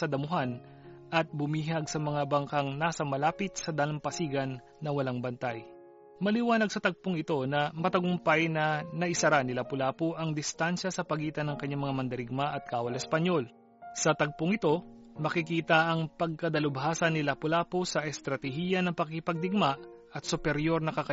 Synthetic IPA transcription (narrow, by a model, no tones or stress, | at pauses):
sɐd̪ɐmʊɦan | ʔɐt̪̚bʊmiːɦɐɡsɐmɐŋabɐŋkɐŋnaːsɐmɐlaːpɪt̪̚sɐd̪aːlɐmpɐsiːɡɐnːɐwɐlaŋbɐnt̪aj | mɐlɪwaːnɐɡ̚sɐt̪ɐɡ̚poŋɪt̪o̞nɐmɐt̪ɐɡʊmpajnɐnɐʔɪsɐɾanɪlapʊlaːpoʔɐŋd̪ɪst̪anʃɐsɐpɐɡiːt̪ɐnɐŋkɐɲaŋmɐŋamɐnd̪ɐɾɪɡ̚maʔɐt̪̚kaːwɐlɛspɐɲo̞l | sɐt̪ɐɡ̚poŋɪt̪o̞ | mɐkɪkiːt̪ɐʔɐŋpɐɡ̚kɐd̪ɐlʊbɦaːsɐnːɪlapʊlaːposɐʔɛst̪ɾɐt̪ɛhiːjɐnɐŋpɐkɪpɐɡ̚d̪ɪɡ̚maɐt̪̚sʊpɛɾjo̞ɾnɐkɐkɐ